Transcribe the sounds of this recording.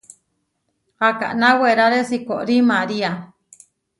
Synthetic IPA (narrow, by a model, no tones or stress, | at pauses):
qaka̰ʔnaweɾaɾesikoʔɾimaɾia